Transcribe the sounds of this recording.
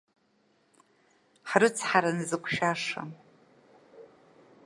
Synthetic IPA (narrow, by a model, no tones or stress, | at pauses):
ħrɨt͡sʰħaɾanɨzɨkʷʰʃaʂa̰